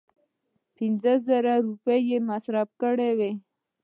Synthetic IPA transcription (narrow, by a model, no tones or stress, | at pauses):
pinzəzəɾaɾupejemasɾab̚kəɽewe